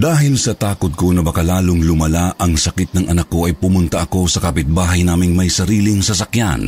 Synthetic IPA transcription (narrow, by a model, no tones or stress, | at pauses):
d̪aːɦɪlsɐt̪aːkʊt̪̚konɐbɐkɐlaːlʊŋlʊmɐlaʔɐŋsɐkɪt̪̚nɐŋʔɐnakːo̞ʔɐjpʊmʊnt̪ɐʔɐko̞sɐkɐpɪt̪̚baːɦɐjnaːmɪŋmɐjsɐɾiːlɪŋsɐs̬ɐkja̰n